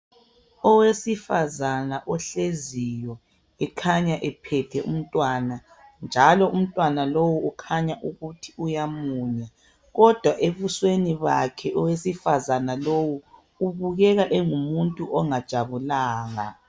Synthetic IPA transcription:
ɔwesifazanaʔɔɬezijɔ | ɛkʰaɲaʔɛpʰɛtʰɛʔṵm̩tʼwana | nd͡ʒʱalɔum̩tʼwanalowuːkʰaɲaʔuɣutʰi̥ujamuːɲa | ɣɔd̥ʱwaʔeβusweniβakʰɛʔɔwesifazanalowuː | βuɣɛɣaʔɛŋumuntʼuʔɔŋad̥ʒ̥ʱaβulaːɣa̰

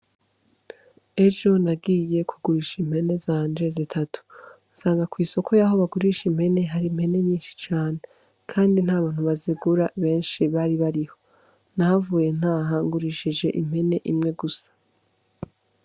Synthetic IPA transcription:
e̞ʒo̞naɡiːje̞kʰuɡuɾiːʃim̥he̞ne̞zaːndezitʰatu̥ | asaːŋɡakwiːso̞kʰo̞jaho̞βaɡuɾiʃim̥he̞ne̞ɦaɾim̥he̞ne̞ɲiːnʃi̥t͡ʃaːne̞ | kʰaːndin̥haːβaːn̥uβaziɡuɾaβe̞ːnʃiβaːɾiβaɾiho̞̥ | nahavuːje̞n̥aːɦaŋɡuɾiʃid͡ʒe̞ʔim̥he̞ne̞ʔimŋe̞ɡusḁ

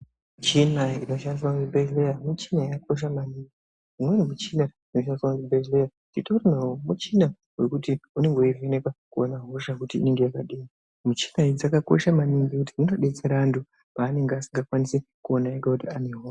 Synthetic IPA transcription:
mut͡ʃinaino̞ʃaniswakunibʱelejamut͡ʃinaiak̚o̞ʃ̬amaniŋɡi | imwenimut͡ʃina | ino̞ʃaniswakuibeʒleja | nitorinawomut͡ʃina | we̞kutiune̞ŋɡoienekakuonaɦo̞ʃakutḭːne̞ŋɡe̞jakaɗiː | mut͡ʃi̥naid͡zakako̰ʃamaniŋɡikutiino̞ɗet͡seɾandu | paːne̞ŋɡeasiŋɡakwanisikuonaekakutiane̞ɦoː

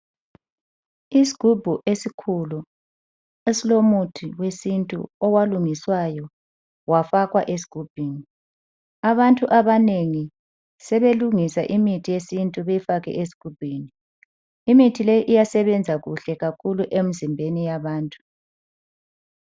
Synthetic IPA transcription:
isi̥ɡ̥ʱubʱuʔesikʰulu | esilomutʰiwesintʼṵɔwaluŋiswajɔ | wafaɣwaʔes̬i̥ɡ̥ʱub̥ʱiŋi | aβantʼuʔaβaneŋi | sɛβeluŋisaʔimitʰijesintʼuβeifaɣɛ̰ʔesi̥ɡ̥ʱub̥ʱiːniː | mitʰilejiʔijasɛβɛnd͡zʱaɣuɬɛɣakʰuluʔem̩zimbʱenijaβaːntʼu̥

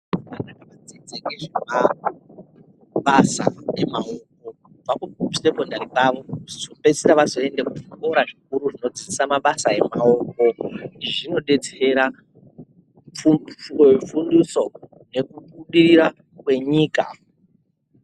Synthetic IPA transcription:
ʋanakaʋad͡zed͡zekeʐema | ɓasa̰emaok̚o̞ | ub͡vakute̞po̞ndaɾipaʋo̞zope̞sitaʋazo̞e̞ndekutko̞ɾaʐik̚uɾuʐino̞d͡zisisamaɓasae̞mao̞ːko̞niʐino̞ɗe̞d͡ze̥eɾa | u | funduso̞ | ne̞kuɓuɗiriɾa | kwe̞ɲiːka̰

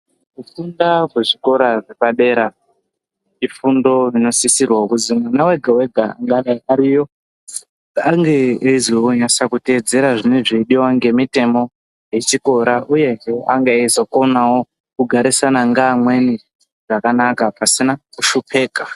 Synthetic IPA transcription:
kufundakweʐiko̞ɾaʐepaɗe̞ɾa | ifundo̞rino̞sisirwaukud͡zimwanawe̞ɡʱawe̞ɡʱa̰ŋɡaɗaaɾijo̞ | aŋɡe̞eizoːɲasakute̞ːd͡ze̞ɾaʐineʐeiɗiwaŋɡe̞mite̞mo̞ | jet͡ʃiko̞ɾaʔuje̞ɦea̰ŋɡeezoko̞nawo̞ | kuɡʱaɾisanaŋɡamwe̞ni | ʐakanakapasinakuʃupʰe̞ːka

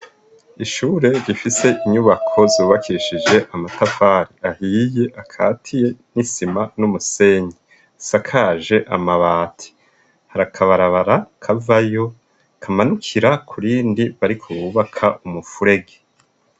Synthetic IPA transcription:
iʃuːɾe̞ɾifise̞ʔiɲuβakʰo̞zuːβakʰiʃid͡ʒe̞ʔamatafaɾiahije̞ʔakʰaːtʰije̞nisimanumuse̞ːɲi | sakʰaʒe̞ʔamaβaːtʰi̥ | haɾakʰaβaɾaβaɾakʰavajo̞ | kʰamanukʰiɾakʰuɾiːndiβaɾikʰoβuβakʰaʔumufuɾe̞ɡe

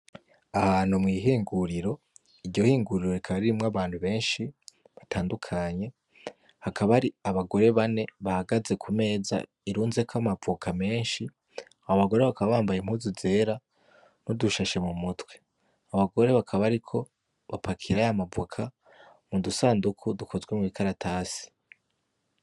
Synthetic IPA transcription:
ahaːnhumŋiːɦiːŋɡuɾiɾo̞ | iɾɟo̞hiːŋɡuɾiɾo̞ɾikʰaβaɾiɾimŋaβaːn̥huβe̞ːnʃi | βatʰaːndukʰaɲe̞ | hakʰaβaɾiaβaɡo̞ɾe̞βane̞βahaɡaze̞kʰume̞ːza̰ | iɾuːnze̞kʰamavukʰame̞ːnʃi | aaβaɡo̞ɾe̞βakʰaβaβaːmbajemhuzuze̞ːɾa | nuduʃaʃe̞mumutwe̞̥ | aβaɡo̞ɾe̞βakʰaβaɾikʰo̞ | βapʰakʰiɾaamavukʰa | mudusaːndukʰudukʰo̞zwe̞muβikʰaɾatʰaːsi̥

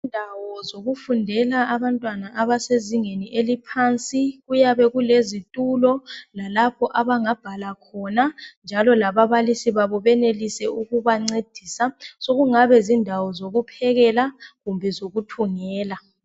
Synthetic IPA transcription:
indʱawɔzoɣufundʱɛlaaβantʼwanaʔaβaseziŋeniʔelipʰant͡sʼiɣujaβɛɣulezitʼulɔlalapʰɔʔaβaŋab̥ʱalakʰɔnand͡ʒʱalɔlaβaβalisiβaβɔβɛnelisɛuɣuβaŋ͡ǀed̥ʱiːsasoɣuŋaβɛzindʱawɔzoɣupʰɛɣɛlaɣumbʱɛzoɣutʰuŋɛːla

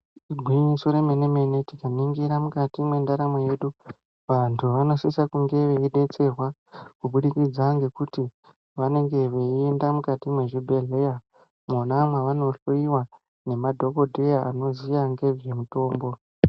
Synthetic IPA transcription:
ɡʱwiɲisoɾemeneme̞ne̞tikamiŋɡiɾamukatimwe̞ndaɾameje̞ːɗu | ʋantʰuʋano̞sisakuŋɡe̞ʋeiɗe̞t͡se̞rwakuɓuɗikid͡zaŋɡe̞kuti | ʋane̞ŋɡe̞ʋe̞iendamukatimweʐibʱe̞ɮe̞ja | monamwaʋano̞ɬoiwa | ne̞madʱo̞ko̞dʱejaano̞ziʋaŋɡe̞ʐe̞muto̞ːmbo̞

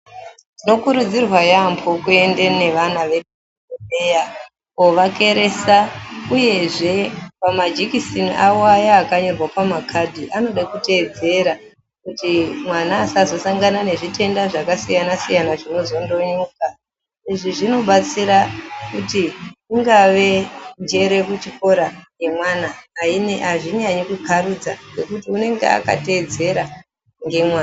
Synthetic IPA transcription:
dino̞kuɾud͡zirwajampʰo̞kue̞nde̞ne̞ʋanaʋe̞di | oeja | ko̞ʋake̞ɾe̞sauje̞ʐe̞pamad͡ʒikisinawoajaːkaɲorwapamakʰadʱiʔano̞ɗakute̞ːd͡ze̞ɾa | kutimwanaːsazo̞saŋɡanane̞ʐite̞ndaʐakasijanasijanaʐino̞zo̞ndoɲuːka | iʐiʐino̞ɓat͡siɾakutiiŋɡaʋe̞nd͡ʒe̞ɾe̞kut͡ʃiko̞ɾaŋɡe̞mwanaːineaʐiɲaɲikukʰaɾud͡za̰ŋɡe̞kutiune̞ŋɡḛa̰ka̰te̞ːd͡ze̞ɾa | ŋɡe̞mwaːna

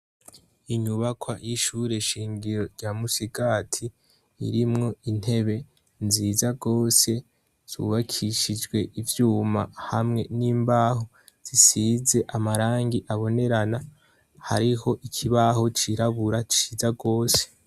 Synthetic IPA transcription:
iɲuβakʰwajiʃuɾe̞ʃiːŋɡiɾo̞ɾɟamusiɡaːtʰi | ḭɾimŋo̞in̥he̞βe̞ | nziːzaɡo̞ːse̞ | z̥ṵβakʰiʃid͡ʒɡwe̞ʔivjuːma̰hamŋe̞niːmbaːɦo | z̥isize̞ʔamaɾaːŋɡiʔaβo̞ne̞ɾana | ha̰ɾiho̞ʔikʰiβaɦo̞t͡ʃiɾaβuɾat͡ʃizaɡo̞ːse̥

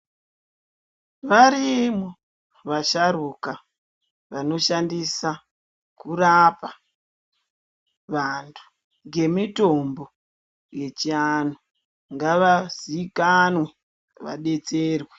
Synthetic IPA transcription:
ʋaɾimo | ʋaʃaɾuka | ʋano̞ʃandisa | kurapa | ʋantʰu̥ | ŋɡe̞mito̞mbo̞ | je̞t͡ʃiano | ŋɡaʋazikanwe | ʋa̰ɗe̞t͡se̞ːrwe

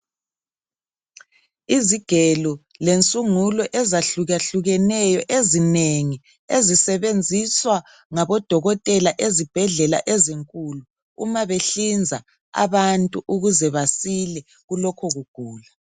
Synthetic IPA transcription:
iziɡ̥ʱɛlɔlent͡sʼuŋulɔʔɛzaɬuɣaɬuɣɛnɛjɔʔezineŋi | ezisɛβend͡zʱiswa | ŋaβɔd̥ʱɔɣɔtʼɛlaʔezib̥ʱɛɮɛla̰ʔɛziŋkʼulu | ṵmaβeɬind͡zʱa | a̰βantʼuʔuɣuzɛβasilɛ | ɣulɔkʰɔɣuɡ̥ʱuːla

